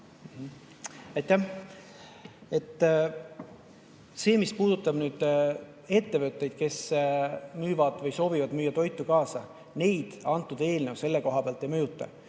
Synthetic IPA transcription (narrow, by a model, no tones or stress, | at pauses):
m̩h | ɑjt̪ˑːæh | e̞t̪ːˑ | se̞ːmispuːd̪̥ut̪ːˑɑb̥nyːd̪̥ | e̞t̪ːe̞vøt̪ːˑe̞jd̪̥ke̞s | myːvɑd̪̥vɤjso̞ːvivɑd̪myːjːɑt̪o̞jt̪ːˑukɑːsɑ | ne̞jd̪̥ɑnt̪ːˑud̪̥e̞ːlne̞wse̞lːe̞ko̞ɦɑpeɑːlt̪ːˑemøjut̪ːˑɑ̰